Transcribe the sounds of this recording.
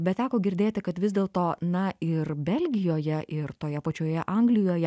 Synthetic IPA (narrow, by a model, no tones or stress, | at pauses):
bʲɛt̪t̪ʲæːkoːɡʲɪɾʲd̪ʲeːt̪ʲɪkɐt̪ʋʲɪzd̪ʲeːlˠt̪oːnɐɪrbʲɛlʲɡʲɪjoːjɛʔɪrt̪oːjɛpɐt͡ʃʲoːjɛʔɐŋɡlʲɪjoːjɛ